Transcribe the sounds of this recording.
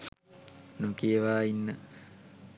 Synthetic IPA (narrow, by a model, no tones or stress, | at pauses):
nukeeʋaːinːə